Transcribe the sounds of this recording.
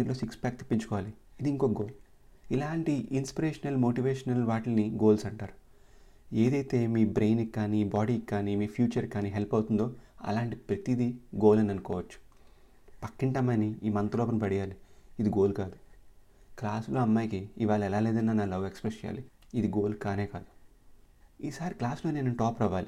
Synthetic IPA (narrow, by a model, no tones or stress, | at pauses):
ɾlo̞ːsikspʲaːk̚t̪i̥pːiɲt͡ʃu̥kɔʋaːliːd̪iŋkoːɡoːl | ilaːɳʈiʔinspiɾeːʂɐnɐlmo̞ːʈiʋeːʃɐnɐlʋaːʈlɐniɡo̞ːlsɐɳʈaːɾu | e̞ːd̪ɐjt̪e̞ːmiːbɾe̞ːjnikːaːnibaːɽiːkːaːnimiːpʰjuːt͡ʃɐɾkːaːniɦelpɐwt̪und̪o̞ːɐ̰laːɳʈipɾɐt̪id̪iɡo̞ːlɐnɐnukɔːʋɐt͡ʃːu̥ | pɐkːiɳʈɐmːɐniiːmɐnt̪lɔːpɐnpɐɽijaːliːd̪iɡoːlkaːd̪u | klaːslo̞ːɐmːaːjkiːʋaːɭɐɛlaːleːd̪ɐnːanaːlɐʋekspɾest͡ʃɛja̰ːli | id̪iɡo̞ːlukaːne̞ːkaːd̪u̥ | iːsaːɾiklaːslo̞ːneːnunʈɔːpɾaʋaːli